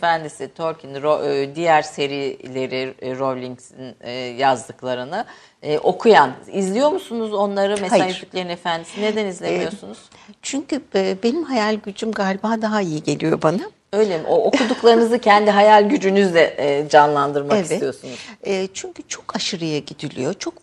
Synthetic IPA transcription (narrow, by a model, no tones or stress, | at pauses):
efænd̪isit̪ʰo̞ɾcʰinɾod̪ijæɾse̞ɾilʲe̞ɾiɾo̞lʲiŋsinːjazd̪ɯklˠaɾɯnɯ | ʔo̞kʰujanizlʲijo̞ɾmusunuzo̞nlˠaɾɯmeshaaajyycʲlʲe̞ɾinefænd̪isined̪ænizlʲemijo̞sunuz̥ | t͡ʃʰyɲcʰyɛːbe̞nimhajalʲɟyd͡ʒymɡaːlʲibaːd̪aɦaijiɟe̞lʲijo̞bana | ø̞jlʲemʔoʔoud̪uklˠaɾɯnɯzɯcʰænd̪iɦajalʲɟyd͡ʒynyzlʲɛd͡ʒanlˠand̪ɯɾmakesvɛijo̞sunuzɛːt͡ʃʰyɲcʰyt͡ʃʰo̞kʰaʃɯɾɯjaɟid̪ilʲḭjo̞t͡ʃʰo̞k